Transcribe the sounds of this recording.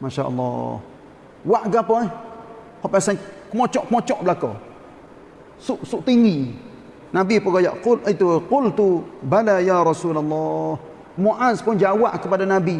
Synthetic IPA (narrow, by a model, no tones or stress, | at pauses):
maʃa̰ʔɑ̰lːa̰ | waʔɡapo | popasankmot͡ʃɔʔkmot͡ʃɔʔblako̰ | suʔsuʔt̪iɲi | nabipoɡaja̰ʔqʊlʔat̪uqʊlt̪ubalajaɾˤɑsulalːa | kmoʔanspoɲd͡ʒawaʔkəpadanabi